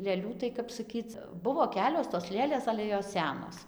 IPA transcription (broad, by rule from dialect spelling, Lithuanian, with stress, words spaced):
lʲeːˈlʲuː tɐɪ kɐp sɐˈkʲiːt͡s ˈbʊʋoː ˈkʲæːlʲoːs toːs ˈlʲeːlʲeːs ˈɑːlʲɛ joːs ˈsʲæːnoːs